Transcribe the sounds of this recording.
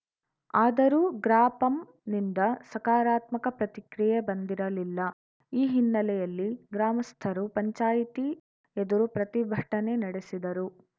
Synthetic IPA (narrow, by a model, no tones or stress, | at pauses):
aːd̪ɐɾuːɡɾaːpɐm | nind̪ɐsɐkaːɾaːt̪mɐkɐpɾɐt̪ikɾijebɐnd̪iɾɐlilːɐ | iːɦinːɐlɛjɐlːiɡɾaːmɐst̪ʰɐɾupɐɲt͡ʃaːjit̪i | ed̪uɾupɾɐt̪ibʱɐʈɐne̞nɐɽesid̪ɐɾu